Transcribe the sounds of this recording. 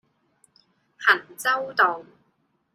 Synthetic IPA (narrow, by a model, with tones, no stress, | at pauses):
hɐ˨˩nt͡sɐ˥wt̪o˨˩ŋ